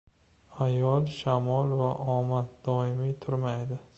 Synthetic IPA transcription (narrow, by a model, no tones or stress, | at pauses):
ajɒlˠʃamɒlˠvaʔɒmat̪̚d̪ɒɪmit̪ʰʊɾmajd̪ɪ